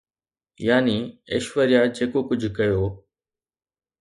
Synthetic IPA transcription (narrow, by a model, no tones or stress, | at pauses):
jaːniḛʃʋəɾijad͡ʑeːkokʊd͡ʑʱkɐjoː